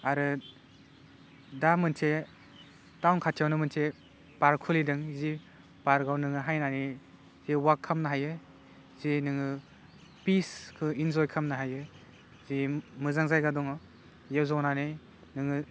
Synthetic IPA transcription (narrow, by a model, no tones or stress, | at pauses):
aɾɯ | damɯntʰe | tawnkʰatʰijawnɯmɯntʰe | paɾkʰulidɯŋzi | b̥aɾɡawnɯŋɯɦajnani | ziwakʰːamnaɦajɯ | zinɯŋɯ | piskʰɯinzɔjkʰamnaɦajɯ | zimɯzaŋzajɡadɔŋɔ | jewzɔwnani | nɯŋɯ